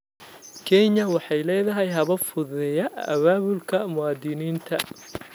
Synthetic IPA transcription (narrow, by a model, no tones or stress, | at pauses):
kʰɛɲɐwɑħɑjlɛːðɐɦɛjɦɐβɐfʊðɛjɐʔɐwaːβʊlkʰɐmʊwɑːd̪ɪniːnt̪ʰɐ